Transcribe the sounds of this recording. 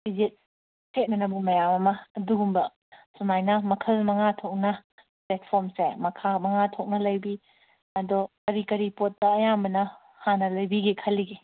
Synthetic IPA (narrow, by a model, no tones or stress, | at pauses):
b̥id͡ʒet̚ | set̚nɐnɐbumɐjamɐmɐːduɡumbɐ | sunajnɐmɐkʰɐlmɐŋatʰok̚nɐ | plet̚pʰoɾmsemɐkʰamɐŋatʰok̚nɐlɐjbi | ɐdɔkɐɾikɐɾipot̚ːɐːjambɐnɐ | hanɐlɐjbiɡekʰɐlːiɡe